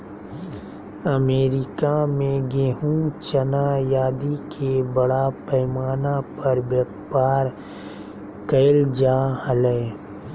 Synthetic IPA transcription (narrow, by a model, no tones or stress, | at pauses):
ɐmeːɾɪkamẽɡeːɦũt͡ʃɐnajaːd̪ikʰebɐɽapɐɪmaːnapɐɾbjɐk | paːɾ | kəɪld͡ʒaːhəleː